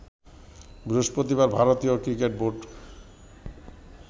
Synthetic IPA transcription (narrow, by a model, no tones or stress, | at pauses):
bɾuʃpɾot̪ibaɾbʱaɾot̪iokɾikeʈ̚boɖ